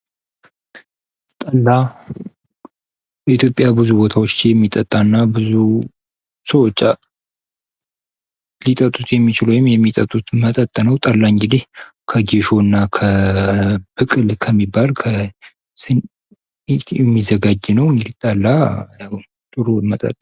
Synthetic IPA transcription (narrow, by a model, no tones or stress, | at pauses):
t̪ʼəlːa | it̪ʰjo̞pʼjabɨzubo̞t̪ʰawot͡ʃːjɛmːit̪ʼət̪ʼːanːabɨzu | səwɔt͡ʃʼːa | lit̪ʼət̪ʼːut̪ʰjɛmːit͡ʃɪlujɪmjɛmːit̪ʼət̪ʼːut̪mət̪ʼət̪ʼːnəwt̪ʼalːaɨŋɡɨd̪ehkʰəɡeʃo̞ɨnːakʰə | b̥ɨkʼɨlkʰəmːibːalkʰə | sɨn | it̪jɛmːizəɡad͡ʒːɨnəwɨŋɡɨd̪it̪ʼalːajaw | t̪ʼɨɾumət̪ʼə̰t̪ʼː